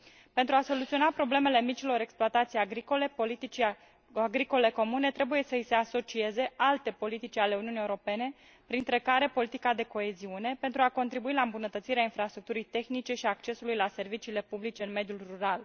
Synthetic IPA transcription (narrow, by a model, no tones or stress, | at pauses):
pent̪ɾuaso̞lut̪sio̞napɾo̞ble̞me̞le̞mit͡ʃilo̞ɾe̞ksploat̪at̪sijaɡɾiko̞le̞polit̪it͡ʃ | aɡɾiko̞le̞ko̞mune̞t̪ɾe̞buje̞səise̞aso̞t͡ʃie̞ze̞ʔalt̪e̞po̞lit̪it͡ʃʲale̞uniuniːeuɾo̞pe̞ne̞ | pɾint̪ɾe̞kaɾe̞po̞lit̪ikad̪e̞ko̞e̞ziune̞pe̞nt̪ɾuako̞nt̪ɾibuilaɨmbunət̪ət̪siɾeainfɾast̪ɾuk̚t̪uɾijt̪e̞xnit͡ʃe̞ʃiak̚t͡ʃe̞sulujlase̞rvit͡ʃiːle̞publit͡ʃe̞ɨnme̞d̪julruɾal